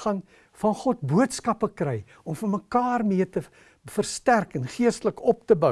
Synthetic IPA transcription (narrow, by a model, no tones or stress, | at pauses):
χɐn | fɐnχɔt̚buətskɐpəkrɛj | ɔmfərməkɑːrmiərtə | fərstærkɛnχiəstələkɔp̚təbə